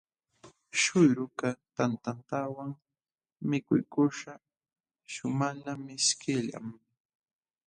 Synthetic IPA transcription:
ʃʊjɾʊkat̪ant̪ant̪awaŋ | mɪkʊ̰jkʊʃa | ʃʊmalamɪskɪʎa̰m

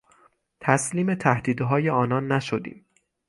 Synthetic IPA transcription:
t̪ʰæsliːme̞t̪ʰæhd̪iːd̪ɦɒːjeɒːnɒːnːæʃod̪ḭːm

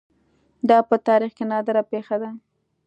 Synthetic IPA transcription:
d̪ɑpət̪ɑɾixkenɑd̪əɾapexad̪a

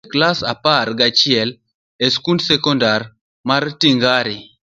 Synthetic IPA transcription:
klasaparɡat͡ʃɪɛl | eskundsɛkɔndar | martiŋɡaɾi

